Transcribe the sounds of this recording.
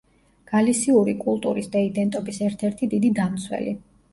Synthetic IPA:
ɡ̥alisiuɾikʼulˠt̪ʼuɾisd̪aid̪ɛnt̪ʼɔbisɛɾt̪ʰɛɾt̪ʰid̪id̪id̪amt̪sʰwɛ̰li

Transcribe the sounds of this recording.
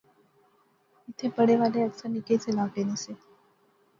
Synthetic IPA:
it̪ʰepəɽeʋaleəɡsəniket͡selapenəse

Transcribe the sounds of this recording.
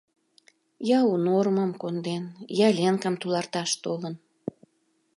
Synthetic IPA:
jɑunorməmkond̪enjɑlʲeŋkəmt̪ulɑrt̪ɑʃt̪olən

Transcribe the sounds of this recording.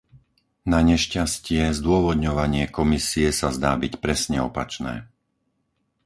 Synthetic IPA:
naɲɛʃcascɪɛzd̪ʊɔʋɔd̪ɲɔʋaɲɪɛkɔmisiɛsazd̪aːbicpɾɛsɲɛɔpa̰t͡ʃnɛ̰ː

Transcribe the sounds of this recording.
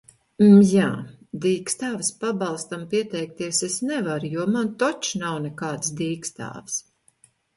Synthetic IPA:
jaː | d̪iːkst̪aːvspabɑlˠst̪ampiɛt̪ɛjk̚t̪iɛsesnɛvaɾjuɔmant̪ɔt͡ʃnawnɛkaːt̪sd̪iːkst̪a̰ːvs

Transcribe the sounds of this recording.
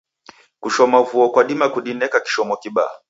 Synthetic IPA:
kuʃɔmavuɔkwaɗimakuɗinɛkaki̥ʃɔmɔkiɓa̰

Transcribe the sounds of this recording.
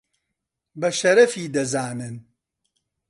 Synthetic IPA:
bɐʃɐɾɐfiːd̪ɐzaːnɨn

